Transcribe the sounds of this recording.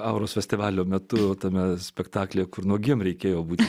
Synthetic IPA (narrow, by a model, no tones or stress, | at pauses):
ɑʊɾoːsfʲɛsʲtʲɪʋɑːlʲoːmʲɛt̪ʊt̪ɐmʲɛsʲpʲɛkt̪ɑːklʲeːkʊrnuɔɡʲimɾʲɛɪkʲeːjoːbuːt̪ʲɪ